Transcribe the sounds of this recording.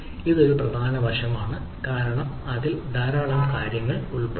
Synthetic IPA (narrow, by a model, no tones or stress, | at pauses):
iðo̞ɾuprɐd̪ʱaːnɐʋɐʂɐmaːɳɨ | kaːɾɐɳɐm | ɐðild̪ʱaːɾaːɭaːnkaːɾjɐŋːɐɭuɭpe